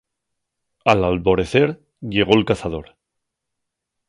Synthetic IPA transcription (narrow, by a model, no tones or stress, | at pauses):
alalβo̞ɾe̞θe̞ɾ | ʝe̞ɣ̞o̞elkaθaðo̞ɾ